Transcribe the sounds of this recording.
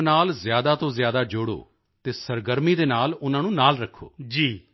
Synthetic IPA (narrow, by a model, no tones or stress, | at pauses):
naːlzjaːd̪aːt̪õːzjaːd̪aːd͡ʒʊɽo̰ː | t̪eːsəɾɡəɾmiːd̪eːnaːlʊnãːnũːnaːlɾəkʰːo̰ːd͡ʒiː